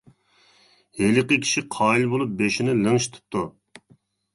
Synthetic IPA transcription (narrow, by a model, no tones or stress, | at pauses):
helɪqəkʲʰi̥ʃiqʰɑːilbolˠup̚beʃinɪlɨŋʃi̥t̪ʰɨ̥p̚t̪ːu